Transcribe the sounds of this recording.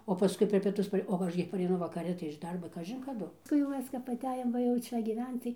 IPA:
oː pɐˈskʊɪ pʲɛr pʲiɛˈtʊs oː ˈɐʃ ɡʲɪ pɐrʲɛɪˈnʊ ʋɐkɐˈrʲɪ tɐɪ ɪʃ ˈdɐrboː ˈkɑːʒʲɪn kɐˈdʊ nʊ jɛʊ ˈmʲɛs kɐp ɐˈtʲæːjoːm ˈʋɐ jɛʊ ˈt͡ʃʲɛ ɡʲiːˈʋʲɛnt͡s tɐɪ

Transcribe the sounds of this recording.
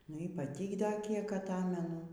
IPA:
ˈnʊ ɪ pɐˈtʲiː ˈdɐ ˈkʲiɛk ɐˈtɑːmʲɛnʊ

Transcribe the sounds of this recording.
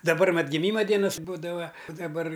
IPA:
dɐˈbɐr mɐt ɡʲɪˈmʲiːmɐ ˈdʲiɛnɐs ˈbuːdɐʋɐ ʊ dɐˈbɐr

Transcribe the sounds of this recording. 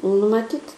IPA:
nʊ mɐˈtʲiːt

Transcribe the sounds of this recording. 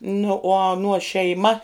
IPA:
nʊ uɔ ɐˈnuɔ ʃʲɛɪˈmɐ

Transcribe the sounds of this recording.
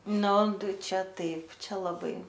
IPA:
ˈnʊ ˈtɐɪ ˈt͡ʃʲɛ ˈtɐɪp ˈt͡ʃʲɛ lˠɐˈbɐɪ

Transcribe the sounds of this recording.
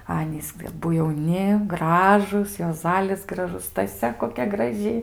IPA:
ˈɑːnʲiːs ɐˈbʊ jɛʊˈnʲɪ ˈɡrɑːʒuːs juɔˈzɑːlʲɪs ɡrɐˈʒʊs stɐˈsʲɛ koːˈkʲɛ ɡrɐˈʒʲɪ

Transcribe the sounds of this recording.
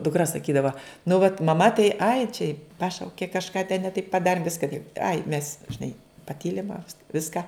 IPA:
dʊkˈrɐ sɐˈkʲiːdɐʋɐ nʊ ʋɐt mɐˈmɐ tɐɪ ɐɪ t͡ʃʲɛ ˈpɑːʃɐʊkʲeː kɐʃˈkɑː tʲɛn nʲɛ tɐɪp pɐˈdɑːrʲɪm ˈʋʲɪskɐ tɐɪp ɐɪ mʲɛs ʒʲɪˈnɐɪ pɐˈtʲiːlʲɪm ɐ ˈʋʲɪskɐ

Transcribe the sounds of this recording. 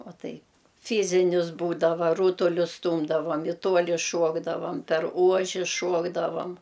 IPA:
oː ˈtɐɪp ˈfʲiːzʲɪnʲɪs ˈbuːdɐʋɐ ˈruːtʊlʲʊs ˈstuːmdɐʋoːm ɪ ˈtuɔlʲɪ ˈʃuɔɡdɐʋɐm pʲɛr ˈuɔʒʲɪ ˈʃuɔɡdɐʋɐm

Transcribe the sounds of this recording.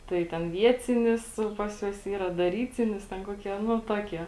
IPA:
ˈtɐɪ tʲɛn ˈʋʲiɛt͡sʲɪnʲɪs ˈpɐs juɔs ˈiːrɐ dɐˈrʲiːt͡sʲɪnʲɪs ˈtʲɛn ˈkuɔkʲiɛ ˈnʊ ˈtuɔkʲiɛ

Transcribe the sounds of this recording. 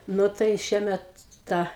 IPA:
ˈnʊ tɐɪ ˈʃʲiɛmʲɛt ˈtɐ

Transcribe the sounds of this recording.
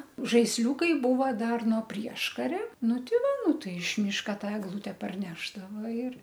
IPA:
ʒɐɪsʲˈlʲuːkɐɪ ˈbuːʋɐ ˈdɐr noː ˈpʲrʲiɛʃkɐrʲɛ ˈnʊ tʲɪˈʋɐ ˈnʊ ˈtɐɪ ɪʃ ˈmʲiːʃkɐ ˈtɐ ɛɡˈlˠʊtʲɛ pɐrʲˈnʲæːʒdɐʋoː ɪr

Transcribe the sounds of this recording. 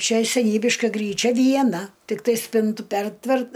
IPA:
ˈt͡ʃʲɛ sʲɛˈnʲiːbʲɪʃkɐ ˈɡrʲiːˌt͡ʃʲɛ ʋʲiɛˈnɐ tʲɪkˈtɐɪ ˈsʲpʲɪntʊ ˈpʲɛrʲtʲʋʲɛrt

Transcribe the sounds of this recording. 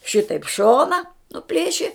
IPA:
ˈʃʲɪtɐɪp ˈʃoːnɐ nʊˈpʲlʲeːʃʲɪ

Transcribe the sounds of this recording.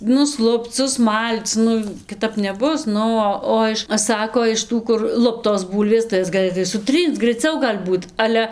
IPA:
nʊsˈlˠʊpt͡s sʊsˈmɐlʲt͡s ˈnʊ kʲɪˈtɐp nʲɛˈbʊs ˈnʊ oː ˈoː ɪʃ ˈsɑːkoː ɪʃ ˈtuː kʊr ˈlˠʊptoːs ˈbuːlʲʋʲeːs tɐɪ ˈjɛs ɡɐˈlˠɘtɐɪ sʊˈtʲrʲiːnt͡s ɡrɐɪˈt͡sʲɛʊ ɡɐlʲ ˈbuːt ˈɑːlʲɛ

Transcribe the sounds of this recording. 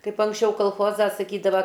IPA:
kɐɪp ɐŋksʲˈt͡ʃʲɛʊ kɐlˠˈxoːzɐ sɐˈkʲiːdɐʋɐ

